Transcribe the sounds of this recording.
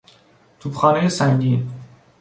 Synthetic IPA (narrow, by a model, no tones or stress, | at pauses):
t̪ʰupxɑːnejesæɲɟi